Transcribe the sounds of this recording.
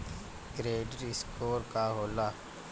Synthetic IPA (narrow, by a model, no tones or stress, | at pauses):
ɡɾeːɖəɾɪskoːɾkaɦoːlaː